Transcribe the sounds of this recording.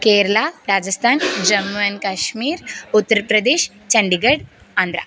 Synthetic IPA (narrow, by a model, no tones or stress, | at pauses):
keɾlaɾad͡ʒəst̪ʰaːnd͡ʒɐmːənkaʃmiːɾut̪ːəɾpɾɐd̪eːɕ | t͡ɕɐɳɖiɡəɽ | and̪ɾa̰